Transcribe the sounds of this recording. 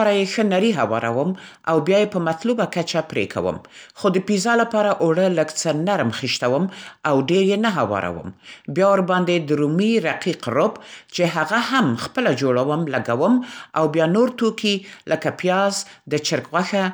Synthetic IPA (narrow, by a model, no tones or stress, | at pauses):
ɾajexənaɾiɦawɑ̰ɾa̰wəmʔawbjɑjepəmat̪lubakat͡ʃapɾḛkʰa̰wə̰mxod̪əpizɑlapɑɾaʔoɽələkt͡sənaɾmxiʃt̪awəmawɖeɾjenaɦawɑ̰ɾa̰wə̰mbjɑwaɾbɑnd̪ed̪əɾumiɾaqiqɾʊpt͡ʃeɦaɣahamxpəlad͡ʒoɽawəmlaɡawəmawbjɑnoɾt̪okilʔəkapjɑzd̪ət͡ʃɪɾkwaxa